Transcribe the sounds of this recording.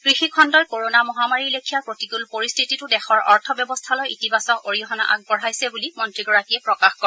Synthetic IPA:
kɹixikʰɔndɔɹkoɹonamɔɦamaɹilekʰijapɹotiɡulpoɹistʰititʊdɛxɔɹɔɹtʰɔbjɔbɔstʰalɔjitibasɔkoɹiɔɦɔna̰ʔa̰ɡ̚pɔɹajsɛbulimɔntɹiɡɔɹakijɛpɹɔkaxkɔɛ

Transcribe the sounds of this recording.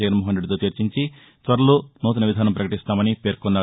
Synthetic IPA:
ɛɡɐnimoːɦɐnɾeɖit̪oːt̪iɾt͡ʃiɲt͡ʃi | t̪ʋɐɾɐloːnuːt̪̬ɐnɐʋid̪ʱaːnɐmpɾɐkɐʈist̪aːmɐnipe̞ːɾkɔnːaː

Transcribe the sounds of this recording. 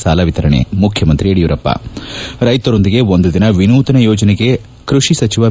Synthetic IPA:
saːlɐʋit̪ɐɾɐɳḛmukʰjɐmɐnt̪ɾieɽijuɾɐpːɐ̰ɾɐjt̪ɐɾond̪iɡe̞ond̪ud̪inɐʋinuːt̪ɐnɐjɔːd͡ʒɐneɡe̞ | kɾuʂisɐt͡ʃiʋɐ

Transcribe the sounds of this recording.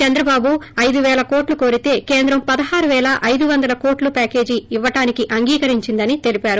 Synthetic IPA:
t͡ʃɛnd̪ɾɐbaːbuɐjd̪uʋɛːlɐko̞ːʈluko̞ːɾit̪e̞ːkeːnd̪ɾɐmpɐd̪ɐɦaːɾuʋɛːlɐʔɐjd̪uʋɐnd̪ɐlɐko̞ːʈlupaːke̞ːd͡ʒiːʋːɐʈaːnikiʔɐŋɡiːkɐɾiɲt͡ʃind̪ɐnit̪e̞lipaːɾu

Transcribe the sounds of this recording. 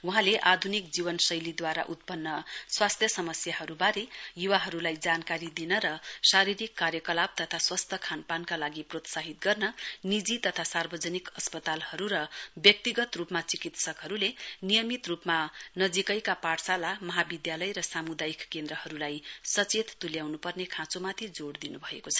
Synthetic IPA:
wuɦãleʔad̪ʱunik̚d͡zibʌnsʌjlid̪waɾa̰ʔut̪̚pʌnːʌswast̪ʰjʌsʌmʌsjaɦʌɾubaɾejuwaɦʌɾulajd͡zankaɾid̪inʌɾʌsaɾiɾikːarjʌkʌlab̚t̪ʌt̪ʰaswast̪ʰʌkʰanpankalaɡiprot̪saɦit̪̚ɡʌrnʌnid͡zit̪ʌt̪ʰasarbʌd͡zʌnikʌspʌt̪alhʌɾuɾʌbjʌk̚t̪iɡʌt̪rupmat͡sikit̪sʌkɦʌɾulenijʌmit̪rupmanʌd͡zikʌjkapaɽsalamʌɦabid̪jalʌjɾʌsamud̪ajkkːend̪rʌhʌɾulajsʌt͡set̪t̪uljawnupʌrnekʰãt͡somat̪ʰid͡zoɽd̪inubʱʌekot͡sʰʌ̥

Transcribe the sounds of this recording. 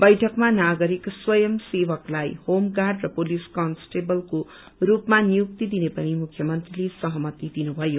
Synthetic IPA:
bʌjʈʰʌkmanaɡʌɾikswʌjʌmsewʌklajhomɡarɖrʌpoliskʌnsʈebʌlko | rupmanijuk̚t̪id̪inepʌnimukʰjʌmʌnt̪rilesʌɦʌmʌt̪id̪inubʱʌjo

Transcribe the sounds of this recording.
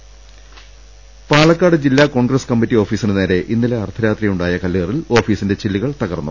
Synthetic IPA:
paːɭɐkːaːɽɨd͡ʑilːaːko̞ːɳɡrɐskɐmːitːio̞ːfiːsinɨneːɾe̞ʔinːileɐrt̪ʰɐɾaːt̪rijuɳɖaːjɐkɐlːiːrilo̞ːfiːsinde̞t͡ɕilːiɣɐɭt̪ɐɣɐrnːṵ

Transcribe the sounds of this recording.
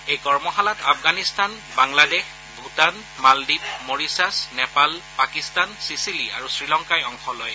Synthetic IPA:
ejkɔɹmɔɦalatapʰɡanistan | baŋladɛx | bʱutan | maldip̚moɹisasnɛpalpakistansisilia̰ɹusɹilɔŋkajɔŋxɔlɔj

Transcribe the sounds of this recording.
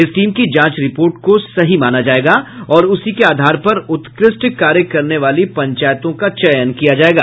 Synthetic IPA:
ɪsʈiːmkid͡ʒãːt͡ʃɾɪpoːɾʈkosɐɦimaːnad͡ʒaːeːɡaɔːɾʊsikeaːd̪ʱaːɾpɐɾʊt̪kɾɪsʈkaːɾjəkːɐɾneʋaːlipɐ̃ɲt͡ʃaːjt̪õkat͡ʃɐjənkijad͡ʒaːeːɡa̰ː

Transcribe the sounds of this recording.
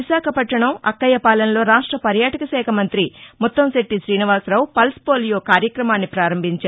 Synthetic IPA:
iʃaːkʰɐpɐʈːɐɳɐmɐ̰kːɐjɐpaːlɐnɐlo̞ːɾaːʂʈɾɐpɐɾjaːʈɐkɐsɛːkʰɐmɐnt̪ɾimɔt̪ːɐmseʈːiʃɾiːniʋaːsɾɐːwupɐlspoːlijoːkaːɾjɐkɾɐmaːnːipɾaːɾɐmbʱiɲt͡ʃa

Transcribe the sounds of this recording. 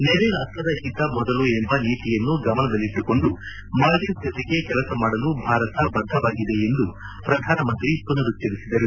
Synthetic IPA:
nɛɾeɾaːsʈɾɐd̪ɐɦint̪ɐmɔd̪ɐluembɐniːt̪ijɐnːuɡɐmɐnɐd̪ɐlːiʈːuko̞ɳɖu | maːɖisd͡ʒ̪ɐt̪iɡe̞kɛlɐsɐmaːɽɐlubʱaːɾɐt̪ɐbɐnd̪ʱɐʋaːɡid̪e̞end̪u | pɾɐd̪ʱaːnɐmɐnt̪ɾipunɐɾut͡ʃːɐɾisid̪ɐɾu

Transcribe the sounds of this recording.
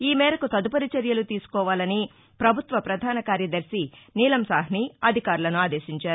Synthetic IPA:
iːmɛːɾɐkut̪ɐd̪upɐɾit͡ʃɐɾjɐlut̪iːsu̥kɔːʋaːlɐni | pɾɐbʱut̪ʋɐpɾɐd̪ʱaːnɐkaːɾjɐd̪ɐɾsiniːlɐmsaːɦniɐd̪ʱikaːɾulɐnuaːd̪eːʃiɲt͡ʃaːɾu

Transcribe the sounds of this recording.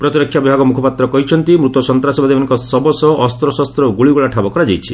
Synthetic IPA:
pɾɔt̪iɾɔkʰjabibʱaɡɔmukʰɔpat̪ɾɔkɔɦit͡ʃʰɔnt̪imɾut̪ɔsɔnt̪ɾasibad̪ʱimanŋkɔsɔbɔsɔːst̪ɾɔsast̪ɾɔɡuɭiɡuɭaʈʰabɔkɔɾad͡ʒajt͡ʃʰi̥

